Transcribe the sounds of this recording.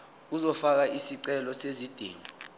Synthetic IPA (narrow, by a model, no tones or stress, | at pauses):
uzɔfak̬aʔisiǀɛlɔsezid̥ʱḭːŋi